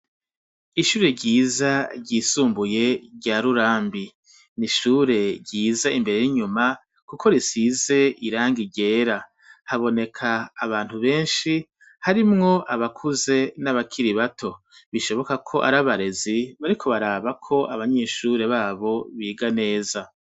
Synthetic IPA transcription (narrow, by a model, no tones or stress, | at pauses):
iʃuːɾe̞ɾɟiːzaɟiːsuːmbuje̞ɾɟaːɾuɾaːmbi | niʃuːɾe̞ɾɟiːzaimbe̞ɾe̞jiɲuma | kuko̞ɾisize̞ʔiɾaːŋɡiɟe̞ːɾa | haβo̞ne̞kʰaːβaːn̥huβe̞ːnʃi | haɾimŋo̞ʔaβakʰuze̞naβakʰiɾiβatʰo̞ | βiʃo̞βo̞kakʰo̞ʔa̰ɾaβaɾe̞ziβaɾikʰo̞βaɾaːβakʰo̞ʔaβaɲe̞ːʃuɾe̞βaːβo̞βiːɡane̞ːza